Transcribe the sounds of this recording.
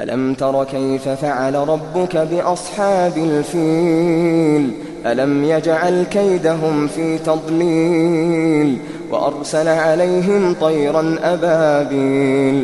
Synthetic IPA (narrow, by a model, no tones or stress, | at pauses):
ʔa̰lʔa̰mt̪ɑɾˤɑkajfafaʕalaɾˤɑbːʊkabɪʔɑsˤħɑːbalfiː | l | ʔalamjad͡ʒʕalkajd̪aɦʊmfiːt̪ɑd̪ˤliː | l | wa̰ʔɑ̰ɾˤsalʕalajɦɪmt̪ˤɑjɾanʔabaːbiːl